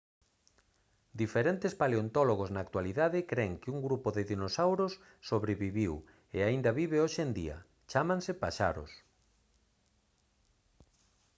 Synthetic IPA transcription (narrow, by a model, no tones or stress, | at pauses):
d̪ifeɾent̪ɪspaleont̪ɔloɣoznaːk̚t̪waliðaðɪkɾeŋkɪuŋɡɾupoðɪðinosawɾosː | oβɾeβiβiw | ḛaind̪ɐβiβeoʃend̪ḭɐ̰ | t͡ʃamãŋsɪpaʃa̰ɾʊ̰s